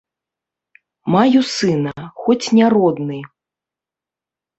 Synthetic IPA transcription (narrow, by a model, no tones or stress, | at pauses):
majusɨnɐxɔt͡sʲnʲaɾɔd̪nɨ